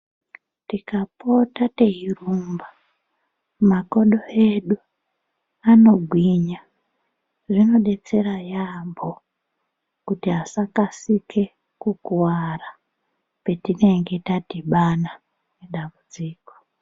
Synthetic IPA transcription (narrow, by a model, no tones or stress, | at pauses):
tikapo̞tate̞ɦirumba | mako̞ɗo̞e̞ɗu | ano̞ɡʱwiɲa | ʐino̞ɗe̞t͡se̞ɾajambʱo̞ | kutiɦasakasikʰe̞ | kukuwara | pe̞tine̞ŋɡe̞tatiɓana | neɗambud͡ziːko